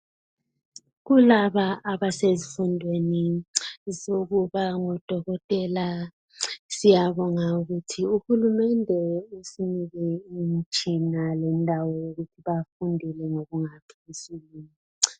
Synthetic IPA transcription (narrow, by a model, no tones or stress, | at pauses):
ɣulaβaʔaβasezifundʱweni | zoɣuβaŋɔd̥ʱɔɣɔtʼɛla | sijaβɔŋauɣutʰiuhulumɛndʱɛesiniɣɛint͡ʃʼinalɛndʱawɔjoɣutʰiβafundʱilɛŋoɣuŋapʰilisilin